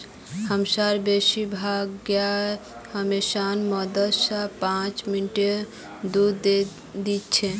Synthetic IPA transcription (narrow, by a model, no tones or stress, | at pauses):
həmsaɾbesibʱaɡja | həmesanmɔd̪əlsapãt͡ʃminʈe | d̪uɾd̪e | d̪it̪t͡ʃʰe